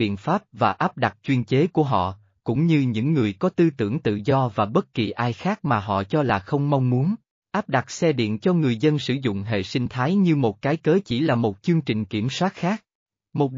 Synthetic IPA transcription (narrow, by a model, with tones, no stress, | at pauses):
ḭ˧˨ənfaː˦˥p̚vaː˨˩ʔaː˦˥p̚ɗa˨˩t̚t͡ɕwi˧ənt͡ɕe˨˦ku˧˩əɦɔ̰˧˨ | kʊ̰˧˥ŋ͡mɲɨ˧ɲɨ̰˧˥ŋːɨ˨˩əjkɔ˨˦t̪ɨ˧t̪ɨ̰˧˩əŋt̪ɨ̰˧˨zɔ˧vaː˨˩ɓə˦˥t̚ki˨˩ʔaː˧jxaː˦˥k̚maː˨˩ɦɔ̰˧˨t͡ɕɔ˧laː˨˩xə˧wŋ͡mma˧wŋ͡mmu˨˦ən | ʔaː˦˥p̚ɗa˨˩t̚sɛ˧ɗḭ˧˨ənt͡ɕɔ˧ŋɨ˨˩əjzə˧nsɨ̰˧˩zʊ̰˧˨ŋ͡mɦḛ˧˨sï˧ŋ̟t̪ʰaː˨˦jɲɨ˧mo˨˩t̚kaː˨˦jkəː˨˦t͡ɕi˧˩laː˨˩mo˨˩t̚t͡ɕɨ˧əŋt͡ɕï˨˩ŋ̟ki˧˩əmswaː˦˥t̚xaː˦˥k̚ | mo˨˩t̚